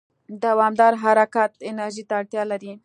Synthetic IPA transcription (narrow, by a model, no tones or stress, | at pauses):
d̪awɑmd̪ɑɾɦaɾakat̪ɪnaɾʒit̪aːɽt̪jɑlaɾi